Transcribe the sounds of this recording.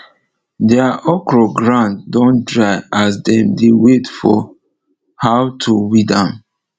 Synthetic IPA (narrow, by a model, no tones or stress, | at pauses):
dɛaʔɔkɹɔɡɹãnddɔ̃ndɹaɪas̬dɛ̃mdewetfɔ̰ | hawtʰuwidãn